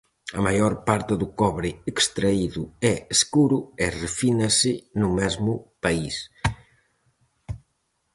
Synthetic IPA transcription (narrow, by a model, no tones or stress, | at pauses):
ɐmajoɾpaɾt̪ɪðukɔβɾɪekst̪ɾɐiðuɛːskuɾuɛrefinasɪnumɛzmupɐis